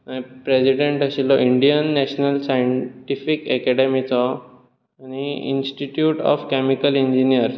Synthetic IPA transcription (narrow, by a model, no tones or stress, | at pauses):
aipɾed͡ʑiɖeɳʈaɕilɔiɳɖijənːɛɕnəlsajəɳʈifikɛkɛɽemit͡sɔ | añiḭnsʈiʈjuːʈɔ̰fkɛmikəliɲd͡ʑinijəɾ